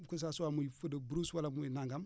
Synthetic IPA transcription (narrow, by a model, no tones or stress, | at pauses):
kus̬asuwamuifədəbɾuswalamuinaŋɡam